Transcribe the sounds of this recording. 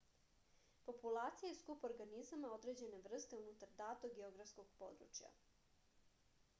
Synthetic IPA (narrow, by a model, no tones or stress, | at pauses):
po̞pulˠaːt̪sijajeskupoɾɡanizamao̞d̪ɾe̞d͡ʑe̞ne̞ʋr̩st̪e̞unut̪aɾd̪aːt̪oɡeo̞ɡɾafsko̞ɡ̥po̞̰d̪ɾṵt͡ʃja̰